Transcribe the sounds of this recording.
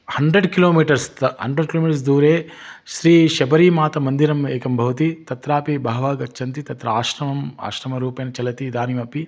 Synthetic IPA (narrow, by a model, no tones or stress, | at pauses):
hɐɳɖɾeɖkiloːmiːʈɐɾst̪ɦɐ̰ɳɖɾeɖ̚kiloːmiːʈɐɾs̬d̪uːɾeː | ʃɾiːʃɐbɐɾiːmaːt̪ɐmɐnd̪iɾɐmeːkɐmbʱɐʋɐt̪it̪ɐt̪ɾaːpibɐɦɐʋaːɡɐtːʃʰɐnt̪it̪ɐt̪ɾɐaːʃɾɐmɐma̰ːʃɾɐmɐɾuːpeːnɐt͡ʃɐlɐt̪id̪aːnimɐpi